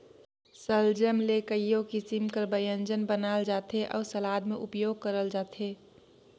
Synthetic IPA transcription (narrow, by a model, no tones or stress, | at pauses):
səld͡ʒəmlekəjõkisimkəɾbəjə̃nd͡ʒənbənaːld͡ʒaːt̪ɦeʔɔːɾsəlaːd̪mẽʔʊpjoːɡ̚kəɾəld͡ʒaːt̪ɦeː